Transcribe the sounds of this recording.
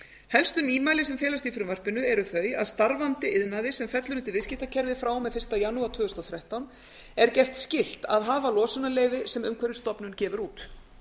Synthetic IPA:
hɛlst̪ʏniːmaːjlɪsɛmfɛːlast̪ifɪɾʏnvar̥pɪnʏɛɾʏθœːɥja̰ðst̪aɾvant̪ɪʔɪðnaðɪsɛmfɛt̪lʏɾʏnt̪ɪvɪscɪht̪acʰɛɾvɪðfɾaːwmɛðfɪr̥st̪ajanuaɾt̪ʰvʏːɣʏst̪ɔθɾɛht̪awn | ɛɾcɛr̥t̪scɪl̥t̪a̰ðɦaːvalɔːsʏnaleːjvɪsɛmʏmkʰvɛɾʏst̪ɔpnʏncɛːvʏɾuːt̪

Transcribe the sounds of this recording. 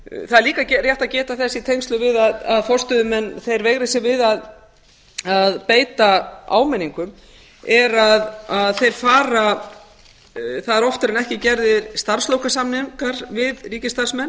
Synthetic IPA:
θaðɛɾliːkacɛrjɛht̪aðcɛːt̪aθɛsːit̪ʰejnst̪lʏvɪðaðaðfɔr̥st̪œðʏmɛnːθejɾveɣɾɪsjɛvɪðað | aðpeːjt̪aa̰ːwmɛniŋkʏm | ɛɾaðaðθejɾ̥faːɾa | θaðɛɾɔft̪ʏɾɪnɛhcɪcɛɾðɪɾst̪ar̥slowkasamnɪŋkaɾ̥vɪðriːcɪst̪ar̥smɛnː

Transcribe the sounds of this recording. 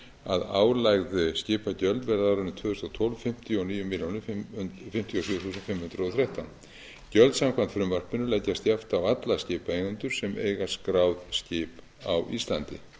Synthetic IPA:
a̰ða̰ːwlajɣðɪscɪːpacœlt̪vɛɾðaɾʏnːʏt̪ʰvœːðʏst̪awt̪ʰɔlvfɪm̥t̪jɔniːjʏmːɪljawnʏfɪm̥t̪jowsʏːʏθuːsʏnfɪmhʏnd̪ɾʏɔwθɾɛht̪an | cœlt̪samkʰvant̪fɾʏmvar̥pɪnʏlɛjcːast̪jaft̪awat̪lascɪːpaejɣʏnt̪ʏɾ̥sɛmḛːjɣaskɾaːwðscɪːp | awʔist̪lant̪ɪ̰

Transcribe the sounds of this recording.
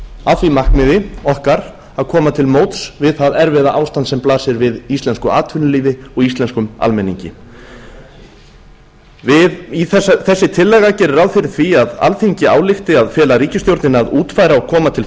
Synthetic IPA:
aθvimahkmɪðɪɔhkaɾ̥ | aðkʰɔːmat̪ʰɪlmoːwt̪svɪðθaðɛɾvɛːðaʔaːwst̪ant̪sɛmplaːsɪɾvɪðist̪lɛnskʏa̰ːt̪ʰvʏnʏliːðɪɔɣist̪lɛnskʏma̰lmɛnḭɲcɪ̰ | vɪðiθɛsθɛsːɪt̪ʰɪlːɛːɣacɛːɾɪraːwfɪɾɪɾ̥θviaða̰lθiɲcɪa̰ːwlɪxt̪ɪaðfjɛːlaɾiːcɪst̪jowɾt̪nɪnaðuːt̪fajɾaɔkʰɔːmat̪ʰɪl

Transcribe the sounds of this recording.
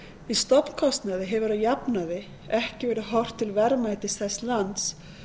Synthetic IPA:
ist̪ɔpn̥kʰɔst̪naðɪɦɛvʏɾajapnaðɪ | ɛhcɪvɛːɾɪɦɔwr̥t̪ʰːɪlvɛɾmajt̪ɪsθɛsːlant̪s

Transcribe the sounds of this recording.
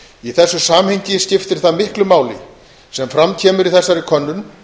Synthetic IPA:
iθɛsːʏsaːmheɲcɪscɪft̪ɪɾ̥θaðmɪhklʏmaːwlɪ̰ | sɛmfɾamcʰɛːmʏɾiθɛsːaɾɪkʰœnːʏn

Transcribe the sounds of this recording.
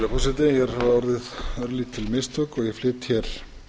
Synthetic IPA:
lapʰɔsɪt̪ɪjɛɾ̥aɔɾðɪðœɾliːt̪ʰːɪlmɪst̪œkɔɣjɛflɪːt̪çɛɾ̥

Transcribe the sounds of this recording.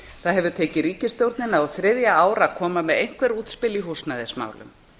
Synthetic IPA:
θaðɦɛvʏt̪ʰeːjcɪɾiːcɪst̪jowɾt̪nɪnaaθɾɪðjaaːwɾakʰɔːmamɛðejŋ̥kvɛɾuːt̪spɪliɦuːsnaðɪsma̰ːwlʏ̰m

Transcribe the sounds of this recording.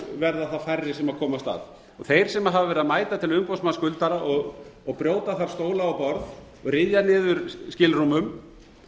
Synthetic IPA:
vɛɾðaθafajrːɪsɛmaðkʰɔːmast̪a̰ːð | ɔ̰ɣθejɾ̥sɛmaɦavavɛɾɪðamaːjt̪at̪ʰɪlʏmpowsmanskʏlt̪aɾaʔɔɣɔɣpɾjoːwt̪aθaɾ̥st̪oːwlaːwpɔɾð | ɔrɪðjanɪːðʏɾ̥scɪlrumʏm

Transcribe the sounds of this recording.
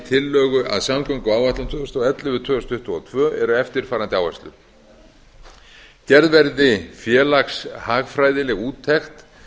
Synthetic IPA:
t̪ʰɪlːœːɣʏʔa̰ðsamkœɥŋkaaːwvaht̪lant̪ʰvʏːðʏst̪ːɛt̪lɪvʏt̪ʰœːðʏst̪ʏht̪ʏa̰t̪ʰvœːʔɛɾʏɛft̪ɪɾ̥faːɾant̪ɪawvɛ̰st̪lʏ̰ | cɛɾðvɛɾðɪfjɛːlakshaːɣfɾaːjðɪlɛɣuːt̪ʰːɛxt̪

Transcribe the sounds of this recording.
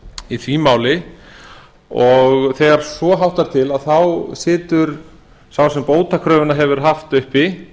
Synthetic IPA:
iθvimaːwlɪ | ɔɣθɛɣaɾ̥svɔɦawht̪aɾ̥t̪ʰɪlaðθawsɪːt̪ʏɾ̥ | sawsɛmpoːwt̪akʰɾœːvʏnaɦɛvʏɾ̥ɦaft̪ʏhpɪ

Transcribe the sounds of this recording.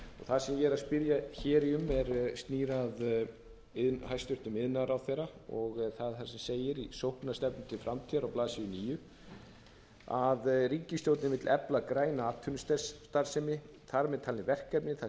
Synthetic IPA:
ɔɣθaðsɛmjɛːɾaspɪɾjaçɛːɾɪʏmːɛɾst̪niːɾað | ɪðhɦajst̪ʏɾ̥t̪ʏmɪðnːaɾawθɛːɾaɔɣθaðθaɾ̥sɛmseːjɪɾisowhknast̪ɛpnɪmt̪ʰɪlfɾamt̪ʰiɾawplaːsiʏniːjʏ | aðriːcɪst̪jowt̪nɪmɪt̪lʔɛplakɾaːjnaːt̪ʰʏnst̪ɛsːt̪aɾ̥sɪmɪ | θaɾmɛðt̪ʰaːlnɪvɛr̥kːɛɾpnɪθa

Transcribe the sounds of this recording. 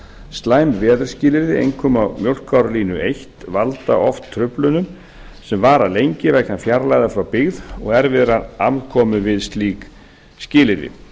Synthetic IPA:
st̪laːjmvɛːðʏɾ̥scɪːlɪɾðɪḛjŋkʰʏmawmjowl̥kʰawɾliːnʏejht̪valt̪a̰ʔɔft̪ʰːɾʏplʏnʏm | sɛmvaːɾalejɲcɪvɛknafjaɾlajðafɾawpɪɣðɔ̰ɣɛɾvɪðɾanamkʰɔːmʏvɪðst̪liːk | scɪːlɪðɪ̰

